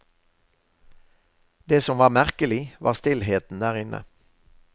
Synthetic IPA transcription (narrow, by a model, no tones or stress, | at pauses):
d̪eːsɔmʋɑːʁmæʁkəlɪʋɑ̰ːʁst̪ɪlheːt̪n̩d̪æːʁɪnʔə̰